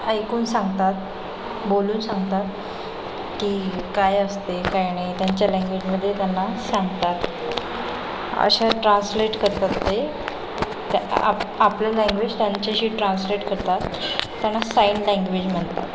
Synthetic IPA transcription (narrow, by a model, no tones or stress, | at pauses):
əjkuːnsãŋɡt̪at̪̚ | boluːnsãŋɡt̪at̪̚ | kikajəst̪ekajnajt̪jaɲt͡ɕjalɛ̃ŋɡʋed͡ʑməd̪ʱːjet̪janːasaŋɡt̪at̪ | ə̰ɕaʈɾãnsleʈkəɾt̪at̪t̪e | t̪a̰aplalɛŋɡʋed͡ʑt̪jaɲt͡ɕaɕiːʈɾãnsleʈkəɾt̪at̪ːjanːasainlãŋɡʋed͡ʑm̤əɳt̪a̰t̪